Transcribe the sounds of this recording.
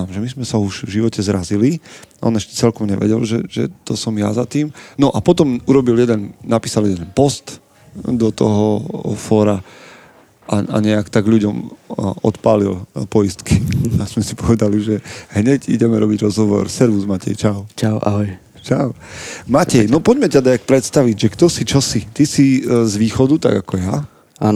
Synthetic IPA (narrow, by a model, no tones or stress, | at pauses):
amʒɛmizmɛsauʒvʒiʋɔcɛzɾaziliʔɔ̰nɛʃcɛ̥t͡sɛlkɔmɲɛ̰ʋɛ̰ɟɛlʒɛʒɛ̰t̪ɔsɔmja̰zat̪iːmnɔʔapɔt̪ɔmuɾɔbiljɛd̪ɛnnːapiːsaljɛd̪ɛnpɔst̪ | d̪ɔt̪ɔɦɔfɔːɾa | ʔaa̰ɲɛakt̪aɡʎuɟɔmɔ̰t̪paːlḭlpɔist̪kiaz̥mɛsipɔʋɛd̪aliʒɛɦɲɛɟḭɟɛmɛɾɔbiɟɾɔzɦɔʋɔ̰ɾsɛɾʋuzmacɛ̰jt͡ʃaʊt͡ʃaʊʔa̰ɦɔj | t͡ʃaʊmacɛjnɔpɔɟmɛcad̪aak̚pɾɛt̪st̪aʋiɟʒɛkt̪ɔsit͡ʃɔsit̪isizʋiːxɔd̪ut̪a̰ɡakɔja | aːn